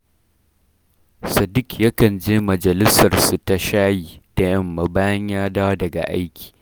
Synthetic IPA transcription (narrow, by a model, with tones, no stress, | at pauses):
sɐ˨dɪ˦kjɐ˦kɐ˨nd͡ʒeː˦mɐ˨d͡ʒɐ˨lɪ˦sɐ˨rsu˨ta˨ʃaː˦jiː˨d̥a˨jɐ˦mːɐ˨baː˦jɐ˦ɲjaː˦daː˦wdɐ˨ɡa̰˨ʔa˦jkʲi̥ː˨